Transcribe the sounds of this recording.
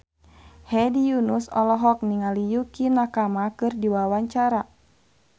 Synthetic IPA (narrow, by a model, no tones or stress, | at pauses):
hɛdijunusɔlɔɦɔk̚niŋalijukinakamakɨrdiwawaɲt͡ʃaɾa